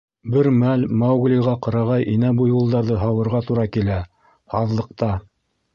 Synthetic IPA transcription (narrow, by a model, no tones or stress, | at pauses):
bɘɾmælmɑwɡlʲiʁɑqɤ̆ɾɑʁɑjʔinæbujulˠd̪ɑɾðɤɦɑwɤ̆ɾʁɑt̪uɾɑkilæ | ɑðlˠɤ̆q̚t̪ɑ